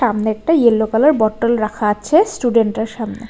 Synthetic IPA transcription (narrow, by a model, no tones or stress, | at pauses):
amneɛk̚ʈaielːokalaɾbɔʈːolɾakʰaat͡ɕʰesʈuɖeɳʈeɾʃamnḛ